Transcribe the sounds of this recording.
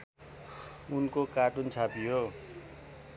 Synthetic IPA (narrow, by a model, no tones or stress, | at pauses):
unkokaʈunt͡sʰapijo